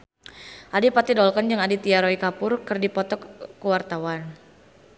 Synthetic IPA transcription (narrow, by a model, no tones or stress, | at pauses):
ʔadipat̪idɔlkand͡ʒɨŋadit̪iaɾɔikapʊrkɨrdipɔt̪ɔkːəwart̪awan